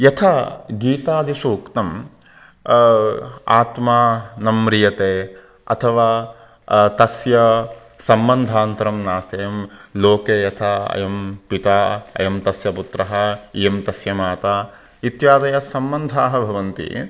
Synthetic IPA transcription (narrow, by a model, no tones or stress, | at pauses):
jɐt̪ʰaɡiːt̪aːd̪ʱisuːkt̪ɐm | aːt̪maːnɐmɾijɐt̪eː | ɐ̰t̪ʰɐʋaː | t̪ɐsjɐ | sɐmbɐnd̪ʱaːnt̪ɐɾɐmnaːst̪ejɐmloːkeːjɐt̪ʰɐɐ̰jɐmpit̪aːɐ̰jɐmt̪ɐsjɐput̪ɾɐɦɐijɐmt̪ɐsjɐmaːt̪aː | it̪jaːd̪ɐjɐsɐmbɐnd̪ʱaːɦɐbʱɐʋɐnt̪ḭ